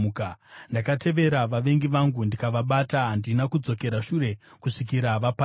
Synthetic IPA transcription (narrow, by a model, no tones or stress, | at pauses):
kandakatʰe̞ʋe̞ɾaʋaʋe̞ŋɡiʋaŋɡundikaʋaɓataɦandinakud͡zo̞ke̞ɾaʂure̞kuʂik̬iɾaʋapa